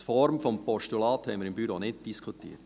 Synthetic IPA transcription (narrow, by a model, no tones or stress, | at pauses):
fɔɾmfɔmpɔʃtulɑːt̪hɛɪməɾɪmbyɾoːnɪd̚d̥iskʰutḭːt